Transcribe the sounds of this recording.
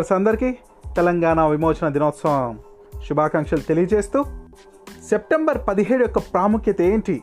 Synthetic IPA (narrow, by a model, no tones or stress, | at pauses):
ɐɾsɐnd̪ɐɾiki | t̪ɛlɐŋɡaːnaʋimoːt͡ʃɐnɐd̪inoːt̪sɐɐm | ʃubʱaːkɐŋkʂɐlut̪elijɐt͡ʃe̞ːst̪uː | se̞p̚ʈembɐɾpɐd̪iɦeːɽujɔkːɐpɾaːmukjɐt̪ɐe̞ːɳʈi